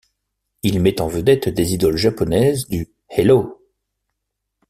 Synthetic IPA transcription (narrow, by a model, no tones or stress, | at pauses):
ilmɛt̪ɑ̃vəd̪ɛt̪d̪ezid̪ɔlʒapɔnɛzd̪y | helo